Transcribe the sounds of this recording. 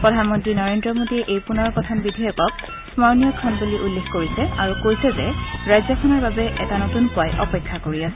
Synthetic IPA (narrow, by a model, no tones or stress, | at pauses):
pɹɔdʱanmɔntɹinɔɹendɹɔmodiɛʔejpunɔɹkɔtʰɔnbidʱijɔkɔk̚ | smɔɹnijɔkʰɔnbuliʔulːexkoɹisɛaɹukojsɛzɛɹajzɔkʰɔnɔɹbabɛʔɛtanotunpʊajʔɔpekʰːakoɹiasɛ